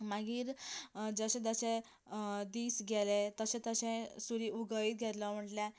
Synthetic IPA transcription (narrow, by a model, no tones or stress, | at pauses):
maɡiːɾd͡zəɕɛ̃d͡z̪əɕẽ | d̪iːsɡʱɛlet̪əɕɛ̃t̪əɕɛ̃suɾiʔuɡəiːt̪̚ɡʱɛt̪ləm̤əʈlɛ̃